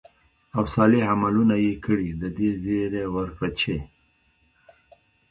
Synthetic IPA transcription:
awsɑliamalunajekəɽid̪əd̪ezeɾewəɾpat͡ʃe

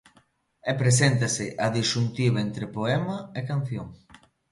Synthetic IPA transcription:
epɾesent̪ɐsɪʔɐðiʃunt̪iβɐent̪ɾepoɛmɐekan̟θjoŋ

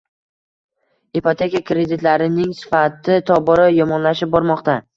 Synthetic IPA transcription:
ipot̪ʰe̞kʲakɾe̞d̪ɪt̪laɾɪnɪŋsɪ̥fat̪ʰɪt̪ʰɒbɒɾajɒmɒnlaʃɪp̚bɒɾmɒqt̪a

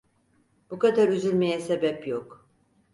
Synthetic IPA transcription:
b̥ukad̪aɾyzylʲme̞jɛsebɛpjok

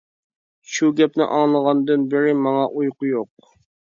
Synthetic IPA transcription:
ʃuɡʲɛpnɪ̰ʔɑŋlˠəʁɑnd̪ɨnbɪɾɪmɑŋɑʔujqʊjoq̚

